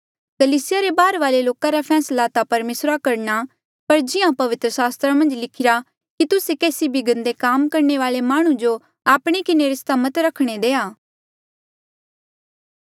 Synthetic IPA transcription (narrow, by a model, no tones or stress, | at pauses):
kəliːsɪjaɾebaːɾʋaːleloːkãɾapʰɛːslat̪apɐɾmeːsɾakɐɾna | pɐɾd͡ʒɪãpɐʋɪt̪ɾəsaːst̪ɾãmɐ̃nd͡ʒlɪkʰɪɾa | kit̪ʊsekɛːsibʱɪɡə̃nd̪ekaːmkɐɾɳeʋaːlemaːɽ̃ũd͡ʒo | aːpɽ̃ekɪneɾɪst̪amɐt̪ɾɐkʰɽ̃ed̪eːaː